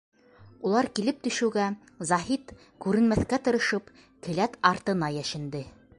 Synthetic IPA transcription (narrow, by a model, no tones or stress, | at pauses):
ulˠɑɾkilɘp̚t̪ɵ̆ʃɘ̆wɡæ | zɑɦit̪ | kʉɾɘ̆nmæθkæt̪ɤ̆ɾɤ̆ʃɤp | kɘ̆læt̪ɑɾt̪ɤ̆nɑjæʃɘ̆nd̪ɘ